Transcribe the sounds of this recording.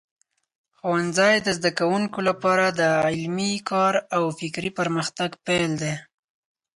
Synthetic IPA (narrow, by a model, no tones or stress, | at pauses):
xowanzɑjd̪əzd̪akawuŋkolapɑɾad̪əɪlmikɑɾawfɪkɾipəɾməxt̪aɡpeld̪e